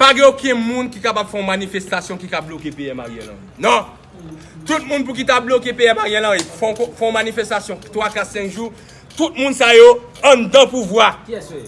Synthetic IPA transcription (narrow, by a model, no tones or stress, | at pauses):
paɡɛ̃okɛ̃mũnkikapab̥fɛ̃ɔ̃manifest̪asjɔ̃kikablokepeɛma̰jɛ̰̃lã̰ḭnɔ̃ | t̪ut̪̚mũnp̬uk̬it̪ablokepeɛmaʁjɛ̃lãefɔ̃kfɛ̃manifɛst̪asjɔ̃t̪wakat̪sɛ̃kʒu | t̪ut̪̚mũnsajoɐ̃d̪ãpuvwa